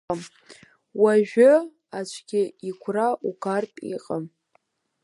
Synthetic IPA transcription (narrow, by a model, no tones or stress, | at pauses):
m | waʒᶣʊ | at͡ʃʷʰʼɡʲɪikʷʰraʔukʰarpʼḭqʼam